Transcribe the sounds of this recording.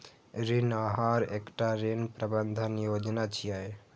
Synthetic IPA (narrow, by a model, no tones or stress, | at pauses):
ɾinaɦaɾekʈaɾinpɾəbənd̪ʱənjod͡ʒnat͡ʃʰijaj